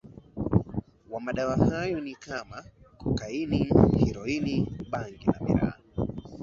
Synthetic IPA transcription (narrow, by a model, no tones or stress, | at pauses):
wamaɗawahajɔnikʰamakɔkainihiɾɔiniɓaŋɡinamḭɾa̰ː